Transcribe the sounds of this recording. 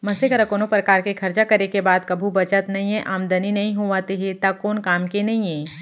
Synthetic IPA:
mɐsekɐɾakoːnopɾɐkaːɾkekʰɐɾt͡ʃakɐɾekebaːd̪kɐbʱubɐt͡ʃət̪nɐɦĩɦɛ̃ʔaːmd̪ɐninɐɦĩɦoʋaːt̪eɦet̪akoːnkaːmkenɐɦĩɦɛ̃ː

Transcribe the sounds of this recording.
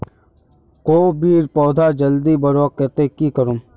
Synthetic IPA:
koːbiːɾpɔːd̪ʱaːd͡ʒəld̪iːbɐɾakɛːt̪ekikəɾum

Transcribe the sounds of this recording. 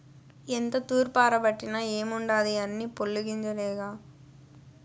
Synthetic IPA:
ɛnd̪ɐt̪uːɾpaːɾɐpɐʈːinaːeːmʊɳɖaːðɯɐnːipɔɭːɯɣɪɲd͡ʒɐleːɣaː

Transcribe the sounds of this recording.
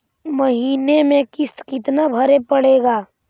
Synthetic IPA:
məɦiːnemẽkɪst̪kɪt̪nabʱəɾepəɽeːɡaː

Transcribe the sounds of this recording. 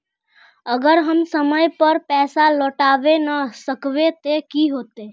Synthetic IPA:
əɡəɾɦəmsəməjpəɾpɛːsaloʈabenəsəkbet̪ekiɦot̪e

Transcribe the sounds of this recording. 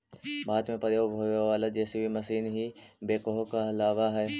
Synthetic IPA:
baːd̪mẽpɐɾjoːɡʱoːjʋaːlad͡ʒɛːsibʱimɐsiːnɦibeːkoɦokaɐlaːʋaɦɛː

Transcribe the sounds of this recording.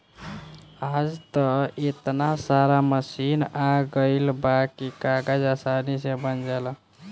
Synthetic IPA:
ad͡ʒt̪əet̪nasaɾaməsinaɡəɪlbakikaɡad͡ʒasanisebənd͡ʒal

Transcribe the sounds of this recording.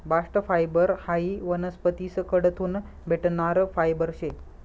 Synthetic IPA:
baʂʈəfajbəɾhaiʋənəspət̪iːskəɽət̪ʰuːn | bʱeʈnaɾfajbəɾɕe

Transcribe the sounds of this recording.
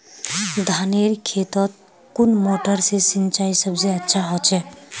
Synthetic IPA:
d̪ʱaneɾkʰet̪ɔt̪̚ | kunmoʈəɾsesint͡ʃaisəbseətːʃʰaɦɔt͡ʃʰɛ

